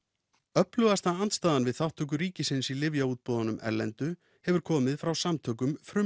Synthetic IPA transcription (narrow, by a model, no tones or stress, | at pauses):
œplœɣast̪aant̪st̪aːðanvɪðθawht̪ʰœk̬ʏɾiːcɪsɪnsilɪvjauːt̪̚pɔːðanʏmʔɛ̰ɾlɛ̰nt̪ʏ | hɛvʏɾ̥kʰɔːmɪðfɾawsamt̪ʰœk̬ʏmfɾʏ